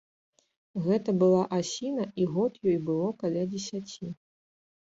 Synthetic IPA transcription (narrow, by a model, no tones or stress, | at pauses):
ɣɛt̪ɐbɨlˠaʔasʲinɐʔiɣɔt̪jɔjbɨlˠɔkalʲad͡zʲɛsʲat͡sʲi